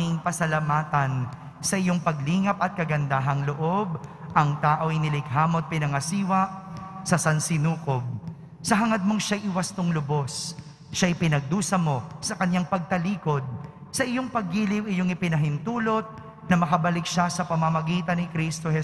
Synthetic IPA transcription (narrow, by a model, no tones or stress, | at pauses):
ɪŋpɐsɐlɐmaːt̪ɐn | sɐʔɪjoŋpɐɡliːŋɐpɐt̪̚kɐɡɐnd̪aːɦɐŋloʔo̞bʔɐŋt̪aːʔo̞jnɪlɪk̚ɦaːmo̞t̪̚pɪnɐŋɐsiːwɐʔsɐsɐnsɪnuːko̞b̚ | sɐɦɐŋɐd̪̚mo̞ŋʃajʔɪwɐst̪oŋlʊbo̞s | ʃaʔɪpɪnɐɡ̚d̪uːsɐmo̞sɐkɐɲːaŋpɐɡ̚t̪ɐliːko̞d̪̚ | sɐʔɪjoŋpɐɡːiːlɪwɪjoŋɪpɪnɐɦɪnt̪uːlo̞t̪̚ | nɐmɐkɐbɐlɪk̚ʃasɐpɐmɐmɐɡiːt̪ɐnːɪkɾist̪o̞hɛ